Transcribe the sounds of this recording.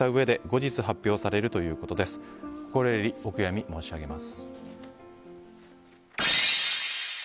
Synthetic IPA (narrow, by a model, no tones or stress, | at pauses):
aɯ̟e̞d̪e̞ɡo̞ʑit͡sɨɦapʲjo̞ːsaɾe̞ɾɯ̟t̪o̞jɯ̟ːko̞t̪o̞d̪e̞sɨ̥ko̥ko̞ɾe̞ɾʲio̞kɯ̟jamʲimo̞ːɕiaɡe̞masɨ̥